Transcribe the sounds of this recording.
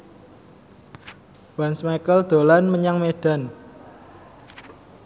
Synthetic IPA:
wansmajkəld̪̥o̤lanməɲaŋmeɖ̥a̤n

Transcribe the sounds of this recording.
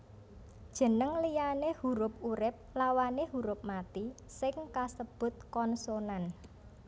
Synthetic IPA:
d̥ʒ̥ə̤nəŋlijanehuɾʊp̚uɾɪp̚lawanehuɾʊp̚mat̪i | sɪŋkasəb̥ʊ̤t̪̚kɔnsonan

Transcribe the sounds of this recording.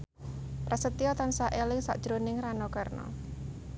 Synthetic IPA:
pɾasət̪iɔt̪ansaʔelɪŋsa̰ʔd̥ʒ̥ɾonɪŋranɔkarnɔ̰

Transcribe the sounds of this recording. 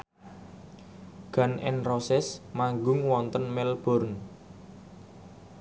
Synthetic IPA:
ɡ̥a̤nʔɛ̰nrosɛsmaŋɡʊŋwɔnt̪ənmɛlb̥ɔ̤rn

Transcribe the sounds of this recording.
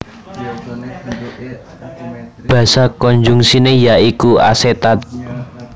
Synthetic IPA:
b̥ä̤sakɔɲd͡ʒuŋsinejaikua̰set̪at̪̚

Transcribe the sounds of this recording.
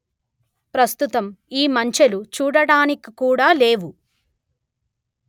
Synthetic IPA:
pɾɐst̪ut̪ɐmiːmɐɲt͡ʃɐlut͡ʃuːɽɐɽaːnikikuːɽaːleːʋu

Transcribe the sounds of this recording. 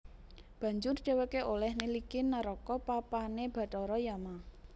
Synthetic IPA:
b̥ä̤ɲd͡ʒʊrd̪̥e̤wekeʔolɛhnilikinːaɾɔkɔpapaneb̥a̤t̪ɔɾɔjama

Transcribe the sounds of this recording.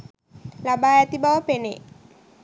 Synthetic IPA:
labajat̪ibaopenḛ

